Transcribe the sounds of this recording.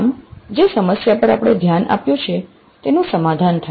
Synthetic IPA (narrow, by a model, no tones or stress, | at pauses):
md͡ʒesəməsjapəɾa̰pɽ̃ed̪ʱjana̰pjot͡ʃʰe | t̪enũsəmad̪ʱant̪ʰa